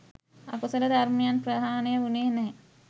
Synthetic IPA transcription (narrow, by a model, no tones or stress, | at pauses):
a̰kusələd̪aɾməjanprəd̪ʱaːnejəuneːnɛː